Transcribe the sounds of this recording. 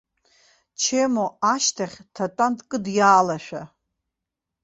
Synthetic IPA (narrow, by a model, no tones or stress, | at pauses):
t͡ʃʰemoaʃtʰaχʲtʰatʼantkʼɨdjaːlaʃᶣa